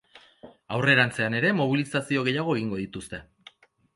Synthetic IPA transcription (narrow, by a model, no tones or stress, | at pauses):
awre̞ɾant͡se̞ane̞ɾe̞mo̞β̞ilisasio̞ɣe̞jaɣ̞o̞eɣiŋɡo̞ðit̪ust̪e̞